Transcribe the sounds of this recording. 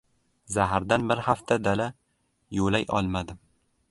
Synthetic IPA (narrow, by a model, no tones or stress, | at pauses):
zaɦaɾd̪anbɪɾhaft̪ʰad̪ala | jolajʔɒ̰lˠmad̪ɪ